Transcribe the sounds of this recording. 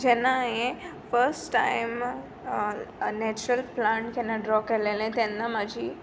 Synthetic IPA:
d͡ʑenaɦẽfəɾsʈʈːaɪm | nɛt͡ɕuɾəlplãɳʈkenaɖɾɔkelelẽt̪enːamad͡ʑʱiː

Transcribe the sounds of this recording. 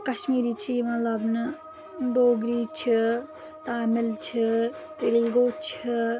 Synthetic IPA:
kɐʃmiːɾiːt͡ʃʰimɐlɐbnɨ | ɖoːɡɾiːt͡ʃʰi | t̪aːmɪlt͡ʃʰi | t̪ilɡoːt͡ʃʰi

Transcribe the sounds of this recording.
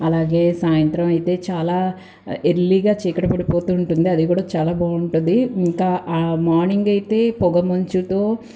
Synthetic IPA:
ɐlaːɡe̞ːsaːjɐnt̪ɾɐmɐjt̪e̞ːt͡ʃaːlaː | eɾliːɡaːt͡ʃiːkɐɽɐpɐɽipo̞ːt̪uːɳʈund̪iɐd̪ikuːɽaːt͡ʃaːlaːbaːuɳʈund̪iiŋkaːʔːmaːɾniŋɡɐjit̪e̞ːpɔɡɐmɐɲt͡ʃut̪o̞ː

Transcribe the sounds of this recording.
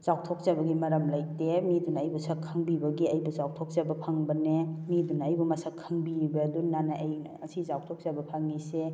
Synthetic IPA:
zaw̚tʰok̚zabɐɡimɐɾɐmlaj̚temidunajbusakʰːaŋbibɐɡiɐjbuzaw̚tʰok̚zabɐpʰaŋbɐnemidunɐajbumɐsakʰːaŋbibɐdunːanaʔaj | ɐsizaw̚tʰok̚zabɐpʰaŋːise

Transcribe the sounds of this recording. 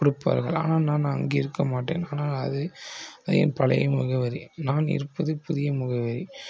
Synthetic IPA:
kʊɽɯpːa̰ːɾɣɐ̰ɭa̰ːnaːlnãːnãːɐŋɡeɪɾɯkːɐmaːʈːḛːnaːnaːlɐðɯɐðɐjɐ̰npɐlɐ̰jɯmːʊɣɐʋɐɾḭnaːnɪ̰ɾɯpːɐðɯpʊðɪjɐmʊɣɐʋɐɾi

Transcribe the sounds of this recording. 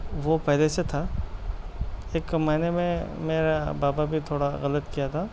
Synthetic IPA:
ʋopɛɦleset̪ʰa | eːkmaɦɪnemẽmeːɾabaːbabʱit̪ʰoːɽaɣɐlət̪kijat̪ʰaː

